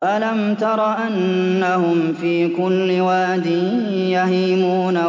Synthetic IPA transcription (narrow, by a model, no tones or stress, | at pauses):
ʔalamt̪ɑɾˤɑʔanː | ahʊmfiːkʊlːɪwaːd̪ɪ | jaɦiːmuːna